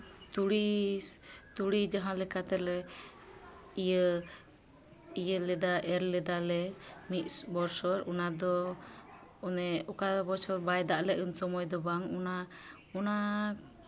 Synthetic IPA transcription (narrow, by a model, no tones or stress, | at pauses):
t̪uɽi | t̪uɽid͡ʒaɦãlɛkat̪ɛlɛ | ijə | ijəlɛd̪aʔɛɾlɛd̪alɛmit̪̚ˀbɔɾsɔɾɔnad̪ɔ | ɔnɛɔkabɔɾsɔɾbajd̪aʔlɛʔənsɔmɔjd̪ɔbaŋɔna | ɔna